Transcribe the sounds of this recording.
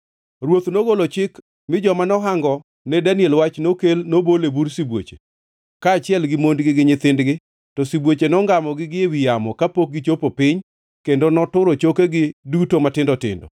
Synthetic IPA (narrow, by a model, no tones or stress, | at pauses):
ɾwot̪noɡolot͡ʃɪk | mɪd͡ʒɔmanɔɦaŋɡɔ | nɛdanjɛlwat͡ʃnokelnobolebuɾsibwo̰t͡ʃe̥̰ | kaːt͡ʃɪɛlɡɪmondɡɪɡɪɲɪt̪ɪndɡɪ | tɔsibwot͡ʃenɔŋɡamɔɡɪɡɪewɪjamɔkapok̚ɡɪt͡ʃopopɪɲ | kendonɔtʊɾot͡ʃokeɡɪdutomatɪndɔtɪ̰ndɔ̰